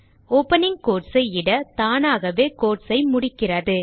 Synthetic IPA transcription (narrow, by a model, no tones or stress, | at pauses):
oːpːɐnɪŋkoːʈsɐɪɪɽɐt̪aːnaːɣɐʋeːkoːʈsɐɪmʊɽɪkːɪrɐðɯ